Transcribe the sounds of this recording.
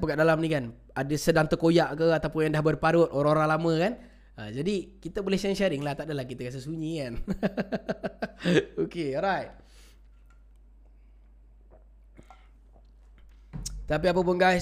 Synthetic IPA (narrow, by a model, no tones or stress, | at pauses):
pəkaʔdalamnikan | adəsədaŋt̪əkojaʔkəat̪apʊnjaŋdahbərpaɾʊt̪̚ʔoɾãŋoɾaŋlamə̃kan | əd͡ʒadikit̪əbolɛhʃanʃaɾɪŋlaht̪aʔdəlahkit̪əkas̬əsuɲikan | okeɔlɾajt̚ | t̪ap̬iap̬ap̬ʊnɡa